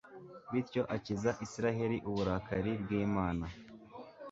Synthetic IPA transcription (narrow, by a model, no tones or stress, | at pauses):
βiɾco̞ʔacizaʔisiɾaɦe̞ɾiʔuβuɾakaɾibɡiːmaːna